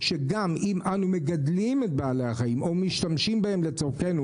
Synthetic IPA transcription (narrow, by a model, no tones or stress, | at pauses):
ʃeɡamimʔanume̞ɡadlimet̚baalehaχajimʔomiʃtamʃimbahe̞mlet͡soʁke̞nu